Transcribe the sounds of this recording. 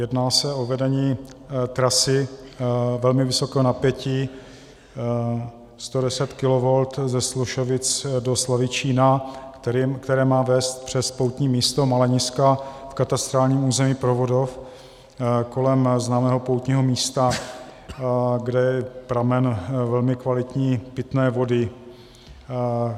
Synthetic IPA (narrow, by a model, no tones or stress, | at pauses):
jɛdnaːsɛo̞vɛdɛɲiːt̪ɾasɪ | vɛlmɪvɪso̞kɛːɦonapjɛciː | st̪odɛsɛt̪kɪlovolt̪zɛsluʃovɪt͡sdoslavɪt͡ʃiːna | kt̪ɛɾɛːmaːvɛːst̪̚pr̝̥ɛspowt̪ɲiːmiːst̪o̞malɛɲɪskafkat̪ast̪ɾaːlɲiːmuːzɛmiːpɾovo̞dof | ko̞lɛmznaːmɛːɦo̞powt̪ɲiːɦomiːst̪a | ɡdɛjɛpɾamɛnvɛlmɪkvalɪt̪ɲiːpɪt̪nɛːvo̞dɪ